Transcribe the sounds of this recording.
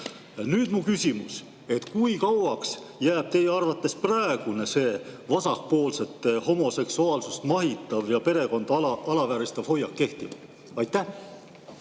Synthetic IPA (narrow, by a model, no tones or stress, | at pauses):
nyːd̪̥mukysʲimus | e̞t̪kujkɑwɑks | jæːb̥̚t̪e̞jeɑrvɑt̪ːˑe̞sprɑeɡ̥unese̞ːvɑsɑk̚po̞ːlse̞t̪ːˑho̞mo̞se̞ksuɑːlsust̪mɑɦit̪ːˑɑvjɑpe̞ɾe̞ko̞nd̪̥ɑlɑvæːɾist̪ɑv̥ho̞jːɑkːe̞ht̪imɑ | ɑjt̪ˑːæh